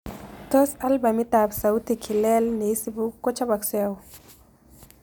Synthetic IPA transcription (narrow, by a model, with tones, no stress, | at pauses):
t̪o˦sa˦lba˨mi˦t̪a˨bsa˨wt̪i˨kʰi˨le˦lne˨˦si˦bu˦kːo˦t͡ʃa˦ba˨ksɔ˦ja˨w